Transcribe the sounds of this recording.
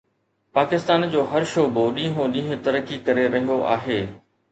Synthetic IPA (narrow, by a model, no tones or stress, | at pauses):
paːkɪst̪aːnd͡ʑoːɦɐɾʃoːboɗĩːɦõɗĩːɦʊ̃t̪ɐɾəkːikɐɾeɾɐɦɪoʔa̰ːɦeː